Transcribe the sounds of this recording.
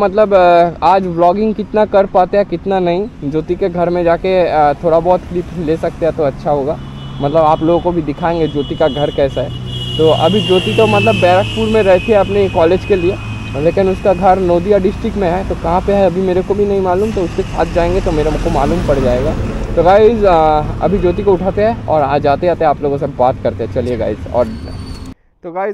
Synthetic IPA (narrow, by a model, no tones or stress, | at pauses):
mɐt̪ləbaːd͡ʒʋlɔːɡɪ̃ŋɡkɪt̪nakɐɾpaːt̪eɦɛkɪt̪nanɐɦĩd͡ʒoːt̪ikeɡʱɐɾmẽd͡ʒaːket̪ʰoːɽabɔːt̪klɪpleːsɐk̚t̪eɦɛt̪oɐtːʃʰaɦoːɡaː | mɐt̪ləbaːploːɡõkobʱid̪ɪkʰaːẽːŋɡed͡ʒoːt̪ikaɡʱɐɾkɛːsaɦɛːt̪oːʔɐ̰bʱid͡ʒoːt̪it̪omɐt̪ləbːɛːɾəkpuːɾmẽɾɛɦt̪ʰeɦɛɐpnekɔːleːd͡ʒkelie | lekɪnʊskaɡʱɐɾnoːd̪ijaɖɪsʈɾɪkmẽɦɛt̪okɐɦãpeɦɛɐbʱimeːɾekobʱinɐɦĩmaːluːmt̪oʊsːesa̰ːt̪̚ʰd͡ʒaːẽːŋɡet̪omeːɾekomaːluːmpɐɽd͡ʒaːeːɡaːt̪oɡaːɪzɐ̰bʱid͡ʒoːt̪̬ikoʊʈʰaːt̪eɦɛ̃ɔːɾãd͡ʒaːt̪eaːt̪eɦɛ̃aːploːɡõs̬ebaːt̪kɐɾt̪eɦɛt͡ʃɐlieɡa̰ːɪzɔ̰ːɾ | t̪oɡaːɪz